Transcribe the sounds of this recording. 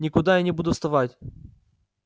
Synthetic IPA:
nʲɪkʊd̪ajanʲɪbud̪ʊfst̪ɐvatʲ

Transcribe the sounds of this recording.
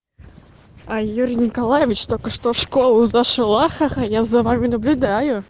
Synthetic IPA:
ajuɾʲɪnʲɪkɐlˠajɪvʲɪt͡ɕt̪o̞lʲkəʂt̪ofʂko̞lˠʊzɐʂɨlˠaxaxəjazɐvamʲɪnəblʲʊd̪ajʊ

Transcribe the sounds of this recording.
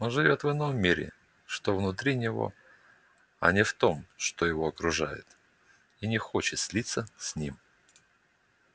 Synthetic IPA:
onʐɨvʲo̞t̪vɨnommːʲiɾʲɪ̰ | ʂt̪ovnʊt̪ɾʲinʲɪvo̞̰ | ɐ̰nʲɪft̪o̞mʂt̪o̞jɪvo̞ɐkɾʊʐa̰jɪ̰t̪ | inʲɪxo̞t͡ɕɪt̪sʲlʲit̪sːəsʲnʲim

